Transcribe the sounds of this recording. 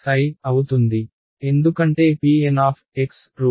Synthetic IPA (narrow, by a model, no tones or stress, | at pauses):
kɐjɐwut̪und̪i | e̞nd̪ukɐɳʈe̞ːpiːenaːpʰeks | ɾu